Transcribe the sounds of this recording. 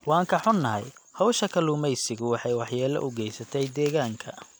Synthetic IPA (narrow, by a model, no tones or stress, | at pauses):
wɑːŋkʰɐħʊnːɐɦɛ̰jhɔwʃɐkʰɐluːmɛjsɪɣʊwɑħɑjwɑħjaːlɐ̰ʔʊɡɛjsɐt̪ʰɛjd̪ɛːɣaːŋkʰɐ̰